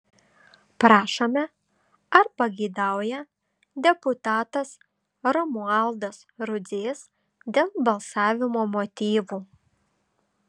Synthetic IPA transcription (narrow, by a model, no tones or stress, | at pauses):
pɾɑːʃoːmʲɛ | ɐɾpɐɡʲɛɪd̪ɑˑʊjɛ | d̪ʲɛpʊt̪ɑːt̪ɐs | ɾɔmʊɑlˠd̪ɐsɾʊzʲeːs | d̪ʲeːlˠbɐlˠsɑːʋʲɪmoːmoːt̪ʲiːʋuː